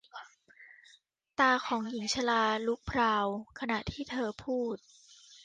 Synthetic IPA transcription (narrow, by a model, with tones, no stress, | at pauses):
t̪aː˧kʰɔː˩˦ŋji˩˦ŋt͡ɕʰa˧laː˧lu˦˥k̚pʰɾaː˧wkʰa˧na˨˩ʔt̪ʰiː˥˩t̪ʰɤː˧pʰuː˥˩t̪̚